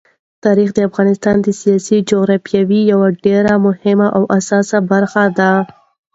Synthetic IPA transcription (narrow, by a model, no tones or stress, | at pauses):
t̪ɑɾixd̪əafɣɑnɪst̪ɑnd̪əsijɑsid͡ʒoɣɾɑfjawijawaɖeɾamʊhɪmaʔawʔasɑsabaɾxad̪a